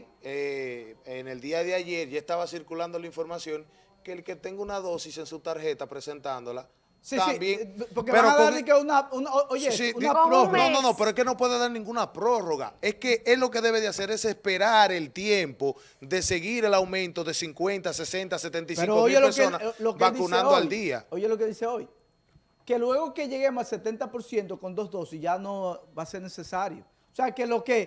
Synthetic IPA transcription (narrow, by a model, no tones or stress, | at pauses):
eene̞ld̪iaðeaʝe̞ɾʝaest̪aβasiɾkuland̪o̞laiɱfo̞ɾmasjo̞ŋ | keːlke̞t̪e̞ŋɡounaðo̞sise̞nsut̪aɾhe̞t̪apɾe̞se̞nt̪and̪o̞la | sit̪ambjeŋpoɾkepeaɾoaðoaɾikeunaunoojesiuononnonopeɾoeske̞no̞pwe̞ðeðaɾnĩŋɡunapɾo̞ro̞ɣa̰e̞ske̞ʔeslo̞k̬e̞ðe̞βe̞ðease̞ɾe̞se̞spe̞ɾaɾe̞lt̪jempo̞ | ðe̞se̞ɣiɾe̞lawmẽ̞nt̪o̞ðe̞siŋkwe̞nt̪ase̞se̞nt̪ase̞t̪ent̪iseiŋɾokooijieloeɾskeonaslokebaðiunãnoald̪ia̰ojelokeðiseo̞j | ke̞lwe̞ɣo̞ke̞ʝe̞ɣe̞mosalse̞t̪e̞nt̪apo̞ɾsje̞nt̪o̞ko̞nd̪o̞zðo̞siʝano̞βase̞ɾne̞se̞saɾjo̰ | seakelo̞ke